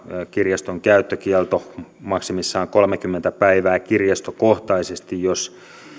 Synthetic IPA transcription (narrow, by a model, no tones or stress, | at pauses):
kirjɑst̪oŋkæyt̪ːøkiɛlt̪omɑksimisːɑːŋkolmekymːent̪æpæiʋæːkirjɑst̪okoht̪ɑisest̪ijjos